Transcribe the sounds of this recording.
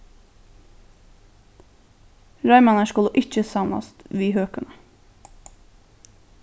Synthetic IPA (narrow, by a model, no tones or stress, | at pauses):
ɹɑɪmɑnəʃkʉləʔɪc͡çəsɑmlɑ̰st̪ʋiːhøːkənə